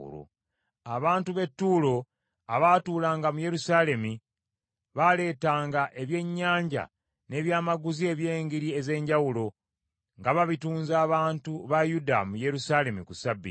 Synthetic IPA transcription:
ṵɾo̰ | aβaːntuβe̞tːuːlo̞ | aβaːtuːlaːŋɡamuje̞ɾusaːle̞mi | βale̞ːtaːŋɡaʔe̞βje̞ɲːaːɲɟa̰ | ne̞ːβjaːmaɡuzie̞βje̞ːŋɡiɾie̞ze̞ːɲɟawulo̞ | ŋɡaβaβituːnzaːβaːntuβajuda̰muje̞ɾusale̞mikusabːḭ

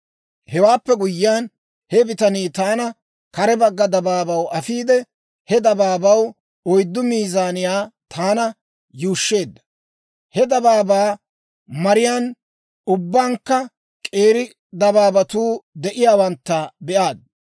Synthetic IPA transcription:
hɛwaːpːɛɡʊjːɪaːn | hɛbɪt̪ɐniːt̪aːnɐ | kɐɾɛbɐɡːɐd̪ɐbaːbɐwɐfiːd̪ɛ | hɛd̪ɐbaːbɐw | ɔjd̪ːʊmiːzaːnɪjaːt̪ʰaːnɐ | juːʃːe̞ːd̪ːɐ̥ | hɛd̪ɐbaːbaː | mɐɾɪjaːn | ʊbːaːŋkːɐ | kʼeːɾɪ | d̪ɐbaːbɐt̪uːd̪ɛʔɪjaːwɐnt̪ːɐbɛʔaːd̪̚

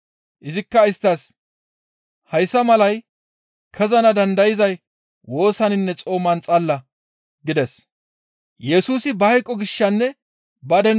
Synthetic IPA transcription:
ʔɪzɪkːɐɪst̪ːɐs | hɐjsːɐmɐlɐj | kʰɛzɐnɐd̪ɐnd̪ɐjɪzɐj | wo̞ːsɐnɪnːɛt͡sʼo̞ːmɐnt͡sʼɐlːɐ | ɡɪd̪ɛs | jɛsuːsɪbɐhɐjkʼːɔɡɪʃːɐnːɛ | bɐd̪ɛ

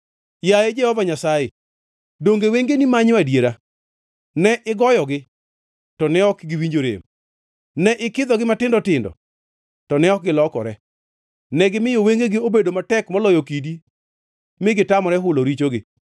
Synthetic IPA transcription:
jajed͡ʒɛhɔvaɲasaje | doŋɡeweŋɡenimaɲwadjeɾa | nɛʔɪɡɔjɔɡɪ | tɔnɛɔkɡɪwiɲd͡ʒoɾḛm | nɛʔɪkɪd̪ɔɡɪmatɪndɔtɪndɔ̰ | tɔnɛɔk̚ɡɪlɔkɔ̰ɾɛ | nɛɡɪmɪjoweŋɡeɡɪobedomatɛkmɔlɔjokidi | mɪɡɪtamɔɾɛɦʊloɾit͡ʃoɡɪ̰

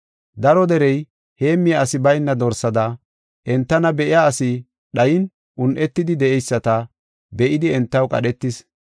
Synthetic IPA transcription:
d̪ɐɾɔd̪ɛɾɛj | he̞ːmːɪjɐːsɪbɐjnːɐd̪ɔɾsɐd̪ɐ | ʔɛnt̪ːɐnɐbɛʔɪjaːsɪ | ɗɐjɪn | ʊnʔɛt̪ːɪd̪ɪd̪ɛʔɛjsːɐt̪ɐ | bɛʔɪd̪ɪɛnt̪ːɐwkʼɐ̰ɗɛt̪ːɪs

